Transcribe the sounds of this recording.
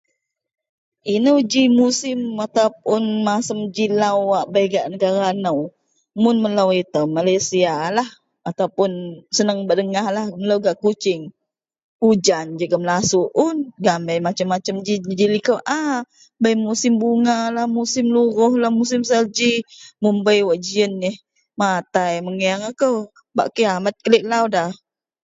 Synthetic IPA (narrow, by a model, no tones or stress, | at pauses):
inəwd͡ʒimusɪmat̪awp̚ʊnmasəmd͡ʒilawaʔbajɡaʔnəɡaɾanəw | mʊnmələwit̪əmalajsialah | at̪awpʊnsənəŋbəʔdəŋahlahmələwɡaʔkut͡ʃɪŋ | ud͡ʒand͡ʒəɡəmlasuʔʊnɡambəjmat͡ʃəmːat͡ʃəmd͡ʒid͡ʒilikəwʔa | bəjmusɪmbuŋalahmusɪmluɾʊhlahmusɪms̬əld͡ʒimumbəjwaʔd͡ʒiənːɪh | mat̪ajməŋiaŋakəw | ba̰ʔkiamat̪̚kəlɪʔlawdah